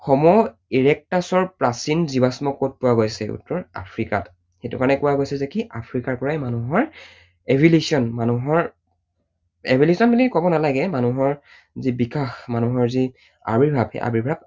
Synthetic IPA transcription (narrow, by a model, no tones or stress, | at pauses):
xɔmɔ | iɹɛk̚tasɔɹpɹasinzibasmɔkːot̚pʊwaɡojsɛṵtːɔɹa̰pʰɹikat | xetukaɹnɛkʊwaɡojsɛzɛkiʔapʰɹikaɹkɔɹajmanuɦɔɹ | ebʱilesiɔnmanuɦɔɹ | ḛbʱilesɔnbilikɔbɔnalaɡɛmanuɦɔɹ | zibikaxmanuɦɔɹzi | a̰biɹbʱab̰ʔa̰biɹbʱab̚